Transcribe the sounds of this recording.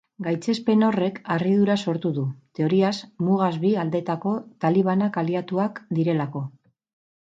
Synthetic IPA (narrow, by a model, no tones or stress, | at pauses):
ɡajt͡se̞spe̞no̞re̞karið̞uɾaso̞ɾt̪uðut̪e̞o̞ɾiazmuɣ̞azβiald̪e̞t̪ako̞t̪aliβ̞anakaliat̪uakd̪iɾe̞lako̞